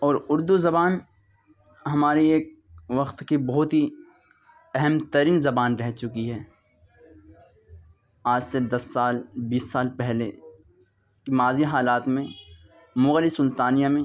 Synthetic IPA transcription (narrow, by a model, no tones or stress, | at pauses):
ɔːɾʊɾd̪uzɐbaːn | ɦɐmaːɾieːk̚ | ʋɐqt̪kibɔɦʊt̪ɦi | ɛɦɛmt̪ɐɾiːnzɐbaːnɾɛɦt͡ʃʊkiɦɛː | aːd͡ʒsed̪ɐsːaːlbiːsːaːlpɛɦle | kimaːziɦaːlaːt̪mẽ | mʊɣlisʊlt̪aːnijamẽ